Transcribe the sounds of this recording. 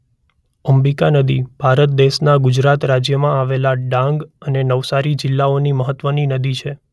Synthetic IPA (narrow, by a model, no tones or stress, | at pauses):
əmbikanəd̪ib̥ʱaɾət̪̚d̪eʃnaɡʊd͡ʒɾat̪ɾad͡ʒjəmãaʋelaɖãŋɡənenəʋsaɾid͡ʒɪlːaoniməɦət̪ʋəninəd̪it͡ʃʰe